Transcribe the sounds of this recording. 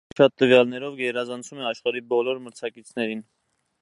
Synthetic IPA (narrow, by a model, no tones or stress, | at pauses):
ʃɑt̪ːəvjɑlnɛɾɔvɡɛɾɑzɑnt͡sʰumɛɑʃχɑɾibɔlɔɾməɾt͡sʰɑkit͡sʰnɛɾin